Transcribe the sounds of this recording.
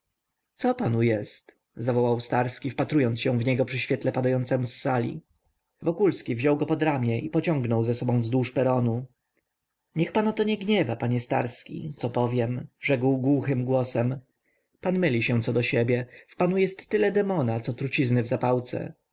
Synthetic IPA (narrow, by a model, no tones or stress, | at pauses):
t̪sɔpanujɛst̪ | zavɔwawst̪aɾskʲifpat̪ɾujɔnt̪sɕɛ̃vɲɛɡɔpʂɘɕfʲɛt̪lɛpad̪ajɔnt̪sɛmusːalʲḭ | vɔkulskʲivʑɔwɡɔpɔd̪ɾamʲjɛʔipɔt͡ɕɔ̃ŋɡnɔwzɛsɔbɔ̃w̃vzd̪wuʂpɛɾɔnu | ɲɛxpanat̪ɔɲɛɡɲɛvapaɲɛst̪a̰ɾskʲḭt̪sɔpɔvʲjɛmʐɛɡwɡwuxɘmɡwɔsɛm | panmɘlʲiɕɛ̃t̪sɔd̪ɔɕɛbʲjɛfpanujɛst̪ːɘlɛd̪ɛmɔnat̪sɔt̪ɾut͡ɕiznɘvzapawt̪sɛ̰